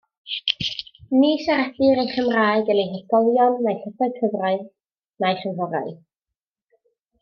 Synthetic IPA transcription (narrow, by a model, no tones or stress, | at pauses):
niːsaɾɛθɨɾejχəmraːɨɡənejɦəstɔlˠjɔnːajɬəsaɨkʰəvraɨð | najχənvɔɾa̰ɨ